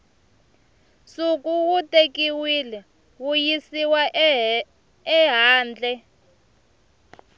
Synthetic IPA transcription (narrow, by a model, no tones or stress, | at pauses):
sukʼuwutʼekiwilɛ | wujisiwa | ɛɦaːnd͡ɮʱɛ